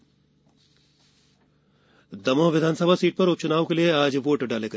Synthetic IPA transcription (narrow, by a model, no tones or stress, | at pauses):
d̪ɐmõːʋɪd̪ʱaːnsəbʱasiːʈ̚pɐɾʊp̚t͡ʃʊnaːʋokelieaːd͡ʒʋoːʈɖaːleɡɐ